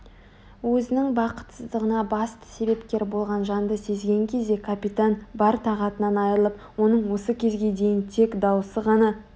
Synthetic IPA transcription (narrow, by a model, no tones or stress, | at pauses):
wɵzɪnɪŋbɑqə̥t̪səzd̪əʁənɑbɑst̪ə̥se̞be̞pkʲe̞ɾbo̞lˠʁɑnʒɑnd̪əse̞zɡʲe̞ŋkʲʰe̞zd̪e̞kʰapit̪anbɑɾt̪ʰɑʁɑt̪ənɑnɑjəɾəlˠəp̚ | wo̞nəɴwo̞səkʲʰe̞zɡʲe̞d̪e̞jɪnt̪ʰe̞kd̪ɑwəsəʁɑnɑ